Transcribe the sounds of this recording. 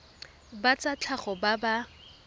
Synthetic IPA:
bat͡sat͡ɬʰaχɔbaba

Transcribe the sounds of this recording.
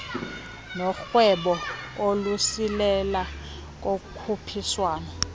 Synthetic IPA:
nɔxwɛɓɔolusilɛla | k̬ʼokkʰupʰiswaːnɔ

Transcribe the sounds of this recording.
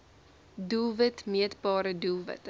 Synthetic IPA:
dulˠvətmiətbɑːɾədulˠvə̰t

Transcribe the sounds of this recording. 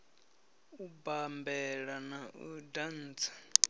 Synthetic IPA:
ubambɛɺanaʔudan̩ːt͡sʰḁ

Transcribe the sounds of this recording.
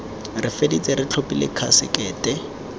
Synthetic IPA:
rɪfedit͡sʼeɾɪt͡ɬʰopʼilɪ̰kʰa̰sɪ̰kɛːtʼɛ

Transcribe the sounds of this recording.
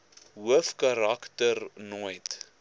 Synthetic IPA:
ɦuəfkɐɾaktərnujt

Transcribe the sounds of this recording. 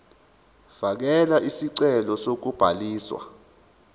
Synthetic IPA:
v̥ak̬ɛlaʔisiǀɛlɔsok̬ub̥ʱaliːswa̰

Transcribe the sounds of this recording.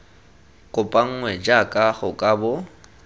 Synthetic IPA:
kʼʊpʼaŋ̩ŋwɛd͡ʒakʼaχʊkʼabʊ

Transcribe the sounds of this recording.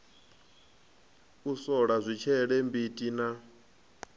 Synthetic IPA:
usɔɺazʷit͡ʃʰɛɺɛmbitʼina

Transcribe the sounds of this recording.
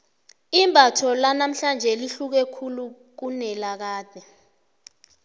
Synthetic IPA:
imbʱatʰɔlanam̩ɬand͡ʒʱɛliɬuk̬ɛkʰulu | k̬unɛlak̬aːd̥ʱɛ

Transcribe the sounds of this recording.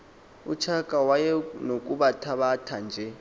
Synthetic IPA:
ut͡ʃʰakʼawajɛnokʼuɓatʰaɓatʰand͡ʒʱɛ

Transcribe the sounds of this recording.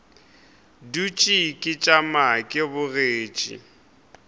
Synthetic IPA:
dut͡ʃʼikʼɪt͡ʃʼamakʼɪbʊreːt͡ʃʼḭ

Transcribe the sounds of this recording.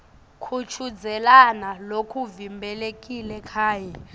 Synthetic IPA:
kʰut͡ʃʰud͡zʱɛlanalokʰuvimbʱɛlekʼilɛkʰaːjɛ

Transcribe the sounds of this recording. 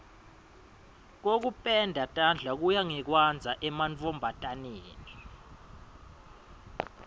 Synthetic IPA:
k̬ok̬upʼɛndʱatʼand͡ɮʱak̬ujaŋɛk̬wand͡zʱaʔɛmant͡fɔmbʱatʼaneːni

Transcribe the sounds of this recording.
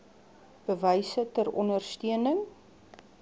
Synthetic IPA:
b̥əvəjsətəɾɔ̰nərstiənəŋ

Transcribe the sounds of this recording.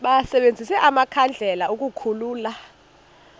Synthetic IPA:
ɓasɛɓend͡zʱisɛʔamakʰand͡ɮʱɛlauk̬ʼukʰuluːla

